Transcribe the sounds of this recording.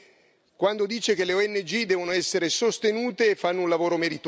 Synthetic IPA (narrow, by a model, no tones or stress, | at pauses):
kwand̪od̪iːt͡ʃekeleoɛnːed͡ʒid̪ɛːvonoɛsːeɾesost̪enuːt̪eːfːanːounlavoːɾomeɾit̪